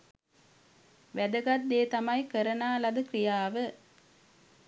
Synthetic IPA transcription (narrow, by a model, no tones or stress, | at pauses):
ʋæd̪ɐɡɐt̪ːeːt̪ɐmɐjkəɾɐnaːlɐd̪ɯkrijaːʋɨ